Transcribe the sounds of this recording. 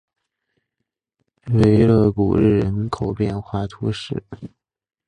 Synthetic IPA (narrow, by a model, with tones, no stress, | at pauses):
we˧˥ɪlɤ˥˩kṵ˨˩ɻɻ̩˥˩ɻə˧˥nkʰo˨˩ʊpjɛ˥˧nxwa˥˩t̪ʰu˧˥ʂɻ̩˥˩